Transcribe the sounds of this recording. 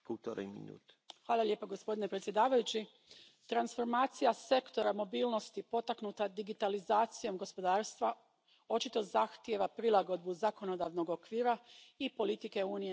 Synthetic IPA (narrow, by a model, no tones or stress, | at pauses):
kult̪oɾɛ̰mḭnṵːt̪ | xʋaːlˠalʲje̞ːpaɡo̞spo̞d̪ine̞pɾe̞t̪sje̞d̪aːʋajut͡ɕi | t̪ɾansfo̞ɾmaːt̪sijase̞kt̪o̞ɾamo̞biːlno̞st̪ipo̞t̪aknuːt̪ad̪iɡit̪alizaːt̪sijo̞mɡo̞spo̞d̪aːɾst̪ʋa | o̞t͡ʃit̪o̞zaxt̪je̞ʋapɾilaɡo̞d̪̚buzako̞no̞d̪aːʋno̞ɡokʋiːɾaipo̞lit̪ike̞uːnije